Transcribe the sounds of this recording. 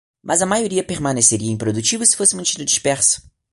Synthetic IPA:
mʔɐzɐmajoɾiɐpeɾmɐ̃neseɾiɐẽpɾod̪ut͡ʃivʊsɪ̥fosɪmɐ̃nt͡ʃĩnd̪ʊd͡ʒiʃpɛɾsʊ̥

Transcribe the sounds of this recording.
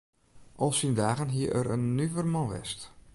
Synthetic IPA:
ʔɔlˠsindaːɣənɦiəʔə̰ɾə̰nːyvərmɔʋɛ̰st

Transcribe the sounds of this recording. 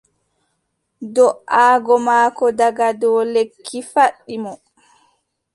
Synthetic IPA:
dɔʔaːɡɔmaːkɔdaɡadɔːlekʰːifaɗːimɔ

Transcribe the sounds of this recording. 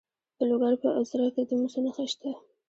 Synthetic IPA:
d̪̥əloɡaɾpəʔazɾaked̪əmusanaxaʃt̪a

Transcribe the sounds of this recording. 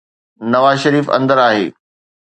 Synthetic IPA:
nɐʋaːzʃɐɾiːfɐ̰̃nd̪əɾaːɦḛː

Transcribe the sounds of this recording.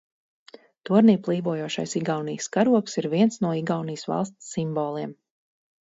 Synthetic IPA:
t̪uɔɾniːplˠiːvuɔjoɔʃa̰jsiɡawnijskaɾuɔksiɾviɛnsnuɔiɡawnijsva̰lˠst̪sːimbɔːlˠiɛm

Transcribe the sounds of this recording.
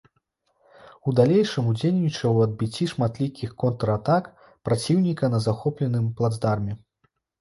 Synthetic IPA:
ud̪alʲejʂɨmud͡zʲelʲnʲit͡ʂɐwɐd̪̚bʲit͡sʲːiʂmat̪lʲikʲixkɔnt̪ɾɐat̪ak | pɾat͡sʲiwnʲikɐnɐzaxɔplʲɛnɨmplˠad̪zd̪armʲɛ

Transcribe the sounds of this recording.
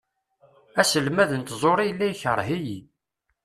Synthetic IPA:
æsəlmæðənt̪zˤoɾˤijəlːæjçəɾˤɦiji

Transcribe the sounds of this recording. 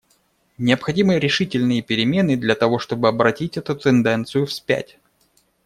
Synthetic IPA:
nʲɪəpxɐdʲimɨɾʲɪʂɨtʲɪlʲnɨjəpʲɪɾʲɪmʲenɨd̪lʲɐt̪ɐvo̞ʂt̪o̞bɨɐbɾɐtʲitʲɛt̪ʊt̪ɨnd̪ɛnt̪sɨjʊfspʲæ̰tʲ

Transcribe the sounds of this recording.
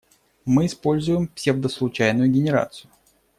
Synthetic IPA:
mɨːspo̞lʲzʊjɪmpsʲevd̪əslˠʊt͡ɕæjnʊjʊɡʲɪnʲɪɾa̰t̪sɨjʊ

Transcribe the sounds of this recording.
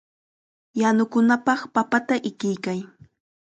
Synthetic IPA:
janʊkʊnapɑχpapat̪aʔɪkɪjkaj

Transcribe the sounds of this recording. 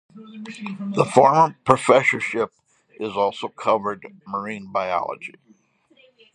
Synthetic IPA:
ðəfɔɹmə˞pʰɹ̥ɨfɛsə˞ʃɪp | ʔɪzɔlˠsoʊkʰʌvə˞d̚mə˞ĩnbaɪɑ̰lˠə̰d͡ʒi

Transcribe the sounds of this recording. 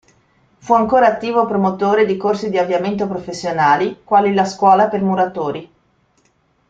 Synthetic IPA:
fuaŋkoːɾaːt̪ːiːvopɾomot̪oːɾed̪ikorsid̪iavːjament̪̬opɾofesːjonaːlikwaːlilaskwɔːlapermuɾat̪oːɾi

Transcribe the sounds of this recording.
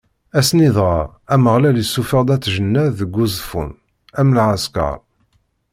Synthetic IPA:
æsniðˤʁɑ | æməʁlælisːufəʁd̪ˤæt͡sːʒənːæːəɡʷːuzˤfṵn | æmlʕaskɑ̰ɾˤ

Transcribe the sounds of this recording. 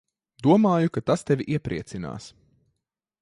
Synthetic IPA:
d̪uɔmaːjukat̪ast̪ɛvʲiʔiɛpɾḭɛt̪sina̰ːs

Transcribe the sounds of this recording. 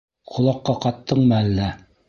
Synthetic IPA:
qʰŏlˠɑqːɑqɑt̪ːɤɴmælːæ

